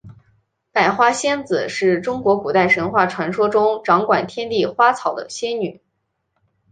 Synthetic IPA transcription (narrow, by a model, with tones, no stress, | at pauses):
pa˨˩ɪxwa˥ɕjɛ˥nd͡zɹ̩˨˩ʂɻ̩˥˩ʈ͡ʂʊ˥ŋkwɔ˧˥ku˨˩t̪a˥˩ɪʂə˧˥nxwa˥˩ʈ͡ʂʰwa˧˥nʂwɔ˥ʈ͡ʂʊ˥ŋʈ͡ʂɑ˧˥ŋkwa˨˩nt̪ʰjɛ˥nt̪i˥˩xwa˥t͡sʰɑ˨˩ʊd̪ə̰˧˦ɕjɛ˥nny˨˩˦